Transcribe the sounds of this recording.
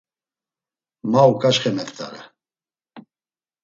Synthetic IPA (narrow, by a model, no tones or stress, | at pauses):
maukʼaʃχɛmɛt̪ʰʼt̪ʰʼa̰ɾɛ̰